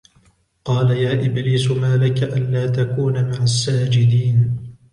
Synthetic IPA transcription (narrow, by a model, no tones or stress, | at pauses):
qɑːlajaːʔɪbliːsʊmaːlɪkaʔanlaːt̪akuːnamaʕasːaːd͡ʒɪd̪iːn